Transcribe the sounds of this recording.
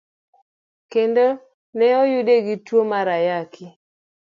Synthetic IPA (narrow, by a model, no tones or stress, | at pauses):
kendo | nɛɔjudeɡitwomaɾajakʰɪ